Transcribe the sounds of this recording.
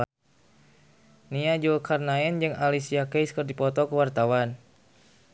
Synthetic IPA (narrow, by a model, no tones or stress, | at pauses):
niad͡ʒulkʰarnaɛnd͡ʒɨŋalisiakɛjskərdipɔt̪ɔkuwart̪awan